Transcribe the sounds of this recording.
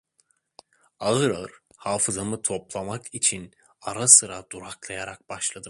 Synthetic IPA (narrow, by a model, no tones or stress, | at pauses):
aɣɯɾaɯɾ | haːfɯzamɯt̪ʰoplˠamakʰit͡ʃʰin | aɾasɯɾad̪̥uɾaklˠajaɾak̚baʃlˠad̪ɯ